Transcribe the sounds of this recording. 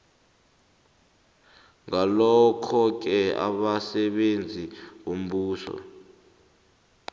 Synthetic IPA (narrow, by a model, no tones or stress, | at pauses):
ŋalɔkʰɔk̬ɛa̰ɓasɛɓend͡zʱiwom̩ɓuːsɔ̰